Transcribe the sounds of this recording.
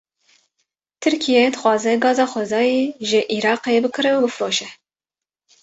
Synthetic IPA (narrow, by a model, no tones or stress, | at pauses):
t̪ʰɨɾkʰijɛd̪ɨxʷwɑːzɛɡɑːzɑːxʷɛzɑːjeʒɪʔiɾɑːqejebɨkʰɨɾɛubɨfɾoːʃɛ